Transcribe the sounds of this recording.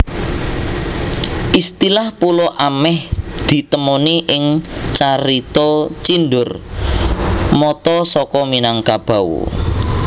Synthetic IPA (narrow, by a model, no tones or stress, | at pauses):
ʔist̪ilahpulɔʔamɛhd̪̥i̤t̪əmɔniʔɪŋt͡ʃaɾit̪ɔt͡ʃinɖʊr | mɔt̪ɔsɔkɔminaŋkab̥a̤wṵ